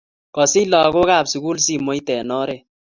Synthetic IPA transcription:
kɔ˨si˦lɔ˨ko˦ka˦˨psu˨ku˦lsi˦mo˦jtɛ˨nɔ˦ɾe˨

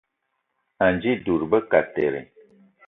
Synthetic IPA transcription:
a˨nd͡ʒi˦du˨ɾbə˦ka˨te˨ɾḛ˨

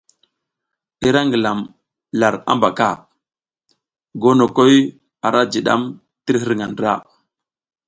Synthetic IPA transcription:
ɗi˦ɾa˦ŋɡi˨la˨m | la˨ɾa̰˦mba˨ka˦˨ | ɡo˦no˨ko˦j | a˨ɾa˦d͡ʒi˨ɗa̰˦m | ti˦ɾɦi˦ɾŋa˨ndɾa˦˨

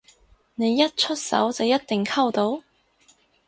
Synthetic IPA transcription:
ne˨˧jːɐ˥t̚t͡ʃʰɵ˥t̚sɐ̰˨˥wt͡sɐ˨wjɐ˥t̚t̪ɪ˨ŋkʰɐ˥wt̪o˨˥w

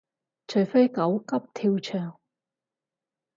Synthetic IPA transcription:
t͡ʃʰɵ˨˩jfe˥jkɐ˨˥wkɐ˥p̚t̪ʰiː˧wt͡ʃʰœː˨˩ŋ

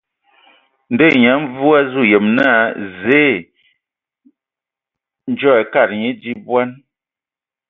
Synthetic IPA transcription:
n̩˦de˦˨ɲa˨˦ɱ˦vu˦a˦zu˦˨je˨mna˦˨ze˦˨ | n˦d͡ʒɔ˦ɛ˨ka˦˨t̚ɲe˦di˦bwa˦n

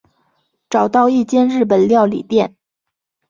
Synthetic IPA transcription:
ʈ͡ʂɑ˨˩ʊt̪ɑ˥˧ʊi˥˩t͡ɕjɛ˥˧nɻɻ̩˥˩p̬ə˨˩nljɑ˥˩ʊlḭ˨˩t̪jɛ˥˩n

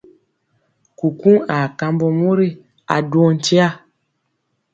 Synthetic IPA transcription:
ku˨ku˦ŋa˨ka˧mbɔ˨mo˦ɾi˦ | a̰˨dwo˦n̩˦t͡ʃi˦a˦˨

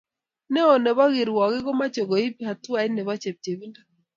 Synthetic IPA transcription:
nɛ˦ɔ˨nɛ˨βa˦ɣi˨ɾwɔ˨ɣɪ˦ɡɔ˦ma˦t͡ʃɔ˨ɡɔ˨i˦pi˦ha˨t̪ʊ˦a˨˦ɪ˦nɛ˨βa˦t͡ʃe˨p̚t͡ʃe˨βi˦nda˦

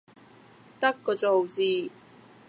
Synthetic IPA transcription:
t̪ɐ˥kːɔː˧t͡so˨wt͡siː˨˩

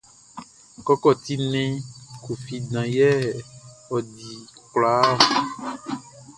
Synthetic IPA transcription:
kɔ˦kɔ˦˨t̪i˦nɛ̃˦ku˨fi˨dã˨jɛ˦ | ɔ˨di˨kla˦˨

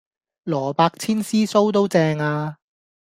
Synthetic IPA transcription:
lɔː˨˩paː˧k̚t͡sʰiː˥nsiː˥so˥wt̪̬o˥wt͡sɛː˧ŋaː˧

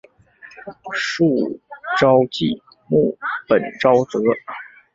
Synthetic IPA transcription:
ʂu˥˩ʈ͡ʂɑ˥ʊt͡ɕi˥˩ | mu˥˩pə˨˩nʈ͡ʂɑ˥ʊt͡sɤ˧˥

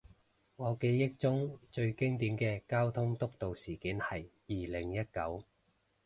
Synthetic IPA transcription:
ŋɔː˨˧ke˨˥jːɪ˥k̚t͡sʊ˥ŋt͡ʃɵ˧ɥkɪ˥ŋt̪̬iː˨˥mkɛː˧kaː˥wt̪ʰʊ˥ŋt̪ʊ˥k̚t̪o˨wsiː˨˩kiː˨˥nhɐ˨jjiː˨lɪ˨˩ŋjɐ˥t̚kɐ˨˥w

